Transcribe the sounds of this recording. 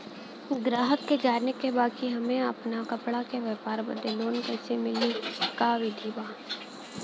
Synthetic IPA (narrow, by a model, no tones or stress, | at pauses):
ɡɾaːɦəkːed͡ʒaːɾnekebaːkiɦɐmẽɐpnakɐpɽakeʋeːpaːɾbə̰d̪ʱːeloːnkɛːsemɪlikaʋɪd̪ʱibaː